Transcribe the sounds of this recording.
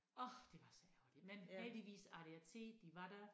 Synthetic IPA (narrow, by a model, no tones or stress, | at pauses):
ɒhd̥e̝ʋɑ̈sɒæʊl̥i̥menheld̥iʋḭːsɑɾ̥əjæt͡sʰe̝̰ːd̥ːiʋɑ̈ɾæ